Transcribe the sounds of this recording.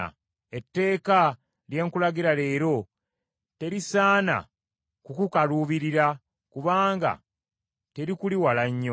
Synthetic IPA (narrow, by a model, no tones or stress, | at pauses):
a̰ | e̞tːe̞ːka | lje̞ŋkulaɡiɾale̞ːɾo̞ | te̞ɾisaːna̰ | kukukaluːβiɾiɾa | kuβaːŋɡa̰ | te̞ɾikuliwalaɲːo